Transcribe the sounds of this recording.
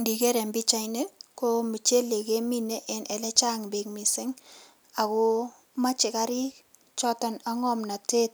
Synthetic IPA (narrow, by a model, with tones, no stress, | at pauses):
ndi˨ke˦ɾɛ˨mbi˦t͡ʃa˨ɪne˦ko˦mi˨t͡ʃe˦le˨ke˦mi˦ne˦ʔɛ˨nʔɛ˨lɛ˦t͡ʃa˦ŋbe˨ŋmi˨sɪ˦ŋ | a˨kʊ˦ | ma˦t͡ʃɪ˨ka˦ɾɪ˦ | t͡ʃɔ˦tɔ˨na˦ŋɔ˦mna˨te˦t̚